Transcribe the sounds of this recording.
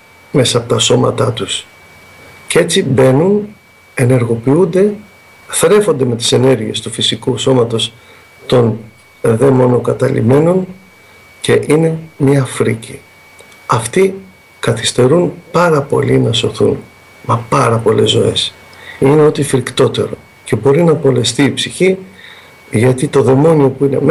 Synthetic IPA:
me̞sɐːpo̞t̪ɐso̞mɐ̰t̪ɐt̪us | cee̞t͡sibe̞nun | e̞ne̞ɾɣo̞piund̪e̞ | θɾe̞fo̞nd̪e̞me̞t̪i̥se̞ne̞ɾʝie̞st̪ufisikuso̞mɐt̪o̞s | t̪o̞n | ðe̞mo̞no̞kɐt̪ɐlḭme̞no̞n | ce̞ʔine̞mifɾici | ɐft̪i | kɐθi̥st̪e̞ɾunpɐɾɐpo̞̰linɐso̞θṵn | mepɐɾɐpo̞le̞zːo̞̰e̞̰s | ine̞o̞t̪ifɾikt̪o̞t̪e̞ɾo̞̰ | ce̞bo̞ɾinɐpo̞le̞st̪iːpsiçi | ʝɐt̪it̪o̞ðe̞mo̞nio̞puine̞̰m

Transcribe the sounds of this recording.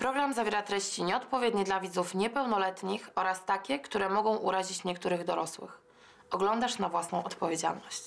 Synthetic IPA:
pɾɔɡɾamzavʲjɛɾat̪ɾɛɕt͡ɕiɲɛɔt̪pɔvʲjɛd̪ɲid̪lavʲid̪zufɲɛpɛwnɔlɛt̪ɲixɔɾast̪akʲɛkt̪uɾɛmɔɡɔ̃w̃ʔuɾaʑit͡ɕɲɛkt̪uɾɘɣd̪ɔɾɔswɘ̰x | ɔɡlɔnd̪aʂnavwasnɔ̃w̃ɔt̪pɔvʲjed͡ʑa̰lnɔɕt͡ɕ

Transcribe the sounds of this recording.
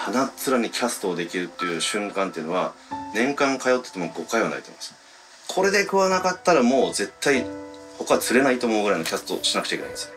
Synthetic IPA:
hanat͡sɨɾaɲ̟ikʲʰasɨ̥t̪o̞ːd̪e̞kʲiɾɯ̟t̪ːe̞jɯ̟ːɕɨ̟̃ŋkãnt̪e̞iɯ̟no̞βa | nẽ̞ŋkãŋkajo̞t̪ːe̥t̪e̞mo̞ɡo̞kːaiβana̰ɾit̪m̰mḁsɨ̥ | kʰo̞ɾe̞d̪ekɯ̟βanakat̪ːaɾamo̞ːze̞t̪ːaiho̞kat͡sɨɾe̞nait̪oːmo̞ɯ̟ɡɯ̟ɾainokʲasɨ̥t̪o̞̰ɕinakɯ̟t͡ɕaikena̰ĩesɨ̥

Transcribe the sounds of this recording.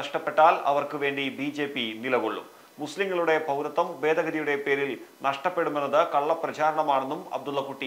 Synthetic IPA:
ɐʂʈɐpːe̞ʈːaːlɐ̰ʋɐrkɨʋe̞ːɳɖibiːd͡ʑe̞ːpːinilɐɣoɭːṵ | musliŋːɐɭuɽe̞pɐwɾɐt̪ːɐmʋe̞ːd̪ʱɐɣɐɾijuɽe̞pe̞ːɾilnɐʂʈɐpːeɽume̞nːɐðɨkɐɭːɐprɐt͡ɕaːɾɐɳɐmaːɳe̞nːumɐ̰b̚d̪ulːɐkːuʈːi

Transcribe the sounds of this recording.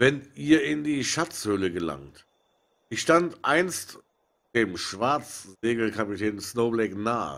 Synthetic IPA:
vɛnʔiːɐɪndiːʃat͡shʏləɡəla̰ŋt | içʃtantʔaɪnst | d̥eːmʃv̥aɐt͡szeːɡl̩kʰapitʰɛːnsnoːblɛknaːə̰

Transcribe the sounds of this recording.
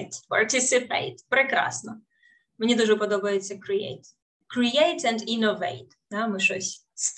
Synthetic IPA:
t̪pɐrt̪ʲɪsɪpɛ̰ɪt̪pɾɪkɾɑ̰snɔ | menʲid̪uʒɛpɔd̪ɔbɐjet͡sʲːɐkɾɪḛjt̪ | kɾijejt̪ɛ̃ndinɔʋḛɪt | d̪amɪʃɔsʲs

